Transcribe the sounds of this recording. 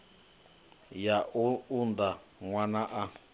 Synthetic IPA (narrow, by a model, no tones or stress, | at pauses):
jaʔuund̪a | ŋwãnãʔa